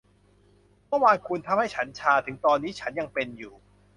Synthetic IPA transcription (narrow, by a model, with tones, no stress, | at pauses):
mɔ˧˥˩waː˧nkʰu˧nt̪ʰa˧mha˥˩jt͡ɕʰa˦˥nt͡ɕʰaː˧t̪ʰɯ˩˦ŋt̪ɔː˧nːiː˦˥t͡ɕʰa˦˥nja˧ŋpe˧njuː˨˩